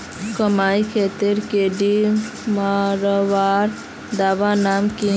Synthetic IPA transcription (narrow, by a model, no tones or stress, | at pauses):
kəmajkʰet̪iɾkeɖi | maɾoʋaɾ | d̪aʋanamki